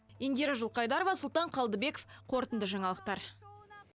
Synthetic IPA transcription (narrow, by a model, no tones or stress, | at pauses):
end̪eɾɑʒʊlˠqɑjd̪ɑɾovɑsʊlˠt̪ɑɴqʰɑlˠd̪əbe̞ko̥fqʰo̞ɾt̪ənd̪əʒɑɴɑlˠəq̚t̪ɑɾ